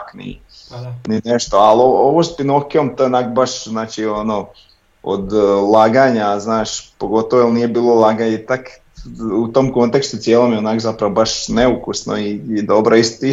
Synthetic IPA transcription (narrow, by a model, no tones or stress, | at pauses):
knḭ | nineʃt̪o̞alooʋoːspinokiomt̪ojeonaːkobaʃznaːt͡ʃiono | o̰d̪lˠaːɡaːɲaznaːʃpoɡo̞t̪oʋoelniːjebiːlˠolˠaɡaɲet̪ak | ut̪omko̞nt̪ekst̪ut̪sjeːlˠomjeonaːkozapɾaʋobaʃneukusno̰iːd̪o̞bɾoist̪i